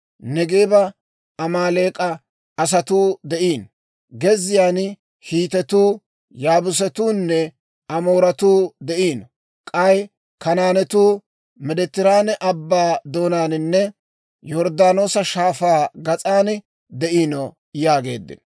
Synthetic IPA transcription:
nɛɡeːbɐ | ɐmaːle̞ːkʼɐ | ɐs̬ɐt̪uːd̪ɛʔiːn | ɡɛzɪjaːn | hiːt̪ɛt̪uː | jaːbʊs̬ɛt̪uːnːɛ | ɐmo̞ːɾɐt̪uːd̪ɛʔiːnɔ | kʼɐj | kɐnaːnɛt̪uː | mɛd̪ɛt̪ːɪɾaːnɛʔɐbːaːd̪o̞ːnaːnɪnːɛ | jɔɾd̪aːno̞ːsɐʃaːfaːɡɐt͡sʼaːn | d̪ɛʔiːnɔ | jaːɡe̞ːd̪ːɪ̰n

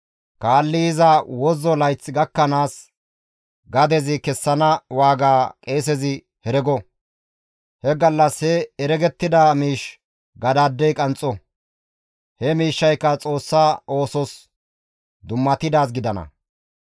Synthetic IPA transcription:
kaːlːɪɪzɐwɔzɔlɐjt͡sːɪɡɐkːɐnaːs | ɡɐd̪ɛzɪkɛsːɐnɐwaːɡaːkʼe̞ːs̬ɛzɪ | hɛɾɛɡɔ | hɛɡɐlːɐshɛɛɾɛɡɛt̪ːɪd̪amiːʃ | ɡɐd̪aːd̪ːɛjkʼɐnt͡sʼːɔ | hɛmiːʃːɐjkːɐt͡sʼo̞ːsːaːo̞ːsɔs | d̪ʊmːɐt̪ɪd̪aːs̬ɡɪd̪ɐnɐ̰

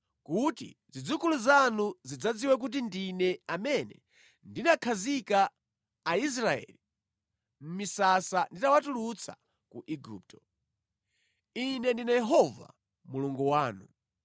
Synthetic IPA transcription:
kutḭzid͡zukuluzanuzid͡zad͡ziwɛk̬ut̬indinɛamɛnɛ | ndinakʰazikaː | is̬ɾaɛ̰li | m̩misasanditawatulut͡sʰa̰ | kuʔiɡuːp̚tɔ | inɛndinajɛɦɔva̰ | muluŋɡuwaːnu

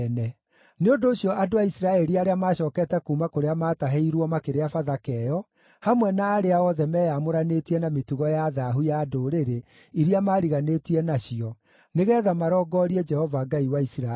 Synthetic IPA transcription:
nɛ | neondoːɕiɔʔadoaisiɾaɛɾiaɾeamaːɕɔːkɛtɛkumakoɾeamaːtaɦeiɾwɔmakeɾeafaðakɛːjɔ | hamwɛnaːɾeaɔðɛmɛːjamoɾanetiɛnametuɣɔjaðaɦujadoɾeɾe | iɾiamaːɾiɣanetiɛnaɕiɔ | neɣɛːðamaɾɔːɡɔːɾiɛd͡ʒɛhɔvaɡaiwaisɾa

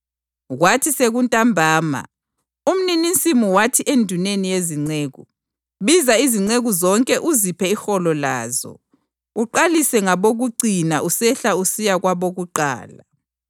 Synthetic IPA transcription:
ɣwatʰiseɣuntʼambʱaːma̰ | um̩ninint͡sʼimuwatʰiʔendʱunenijeziŋ͡ǀeːɣu | βizaiziŋ͡ǀeɣuzɔŋkʼɛʔuzipʰɛixɔlɔla̰ːzɔ̰ | uǃalisɛŋaβoɣuǀinaʔusɛɬausijaɣwaβoɣuǃa̰ːla̰

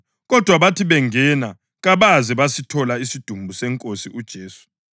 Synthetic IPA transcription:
ɣɔd̥ʱwaβatʰiβɛŋɛna | ɣaβazɛβasitʰɔlaisid̥ʱumbʱusɛŋkʼosiʔud̥ʒ̥ʱeːsu̥

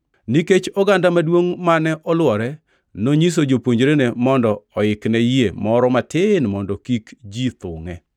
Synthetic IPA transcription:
niket͡ʃɔɡandamadwoŋmanɛʔɔlwɔɾɛ | noɲis̬od͡ʒopwoɲd͡ʒɾenemɔndɔːɪknɛjiemɔɾɔmatɪnmɔndɔkikd͡ʒit̪ʊŋɛ

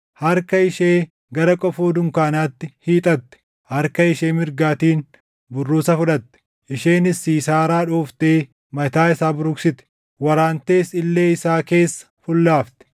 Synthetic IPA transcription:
hɐɾkɐɪʃeː | ɡɐɾɐkʼɔfoːd̪ʊŋkaːnaːt̪ːɪhiːt̪ʼɐt̪ːɛ̥ | hɐɾkɐɪʃeːmɪɾɡaːt̪iːn | bʊrːuːsɐfʊᶑɐt̪ːɛ̥ | ʔɪʃeːnɪsːiːsaːɾaːᶑoːft̪eː | mɐt̪aːɪsaːbʊɾʊksɪt̪ɛ̥ | wɐɾaːnt̪eːsɪlːe̞ːɪsaːke̞ːsːɐ̥fʊlːaːft̪ɛ̥

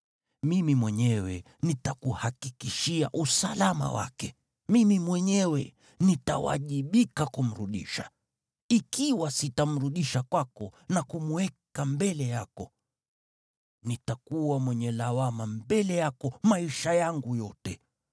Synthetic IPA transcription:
mimimwɛɲɛwɛ̰ | nitakuhakikiʃia̰ʔusalama̰wa̰kɛ | mimimwɛɲɛwɛ | nita̰wa̰ʄiɓikakum̩ɾuɗḭʃa | ikiwasitam̩ɾuɗiʃakwakɔnakumuwɛkambɛlɛjakɔ | nitakuwamwɛɲɛlawamambɛlɛjakɔmaiʃajaŋɡujɔtɛ

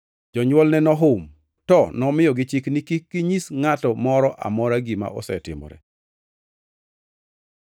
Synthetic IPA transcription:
d͡ʒɔɲwɔlnɛnɔɦʊm | tɔnɔmɪjɔɡɪt͡ʃiknikikːiɲisŋatɔmɔɾɔʔa̰mɔɾaɡima̰ʔɔ̰sɛ̰tɪ̰mɔ̰ɾɛ̰

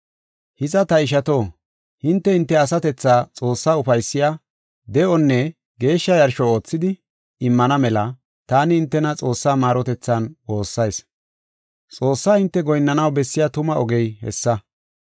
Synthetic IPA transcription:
hɪzɐt̪ɐɪʃ̬ɐt̪o̞ː | hɪnt̪ːɛɪnt̪ːɛɐsɐt̪ɛt͡sːaːt͡sʼo̞ːsːaːʊfɐjsːɪja | d̪ɛʔɔnːɛ | ɡe̞ːʃːɐjɐɾʃɔo̞ːt͡sːɪd̪ɪ | ɪmːɐnɐmɛlɐ | t̪aːnɪɪnt̪ːɛnɐt͡sʼo̞ːsːaːmaːɾɔt̪ɛt͡sːanwo̞ːsːɐjs | t͡sʼo̞ːsːaːhɪnt̪ːɛɡɔjnːɐnɐwbɛsːɪjaːt̪ʊmɐʔɔɡɛjhɛ̰sːɐ

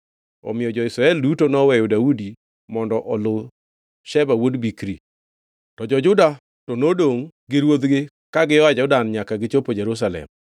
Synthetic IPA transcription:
ɔ̰mɪjɔd͡ʒɔɪsɾaɛldutonɔwɛjɔdaudi | mɔndɔʔɔlʊ | ʃɛbawodbikɾi | tɔd͡ʒɔd͡ʒʊda | tɔnodoŋɡɪɾwod̪ɡɪ | kaɡɪjɔad͡ʒʊdanɲakaɡɪt͡ʃopod͡ʒeɾus̬alɛ̰m

